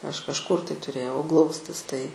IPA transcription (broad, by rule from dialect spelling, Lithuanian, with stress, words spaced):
ˈɐʃ kɐʃˈkʊr tɐɪ tʊˈrʲeːjɛʊ ˈɡlˠɐʊsʲtʲɪs tɐɪ